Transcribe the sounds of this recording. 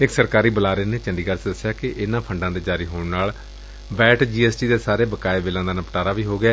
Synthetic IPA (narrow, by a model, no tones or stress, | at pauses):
ɪksəɾkaːɾiːbəlaːɾeːneːt͡ʃəɳɖiːkəɾsd̪əsɪjaːkɪʔɪnãːpʰəɳɖãːd̪eːd͡ʒaːɾiːɦoːɳnaːl | bɛːʈd͡ʒiːɛːsʈiːd̪eːsaːɾeːbəkaːeːbeːlãːd̪aːnəpʈaːɾaːʋiːɦoːɡɪɛː